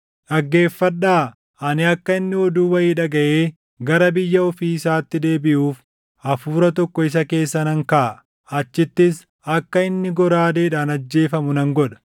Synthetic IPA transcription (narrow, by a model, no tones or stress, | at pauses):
ᶑɐɡːe̞ːfːɐɗaː | ʔɐnɪɐkːɐɪnːɪɔd̪uːwɐjiːᶑɐɡɐʔeː | ɡɐɾɐbɪjːɐɔfiːɪsaːt̪ːɪd̪e̞ːbɪʔuːf | ɐfuːɾɐt̪ɔkːɔɪs̬ɐke̞ːsːɐnɐŋka | ɐt͡ʃːɪt̪ːɪs | ɐkːɐɪnːɪɡɔɾaːd̪eːᶑaːnɐd͡ʒːe̞ːfɐmʊnɐŋɡɔᶑɐ̥